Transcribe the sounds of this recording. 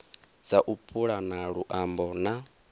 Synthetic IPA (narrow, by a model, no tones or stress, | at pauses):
d͡zaʔupʰʼuɺanaɺuʔambɔna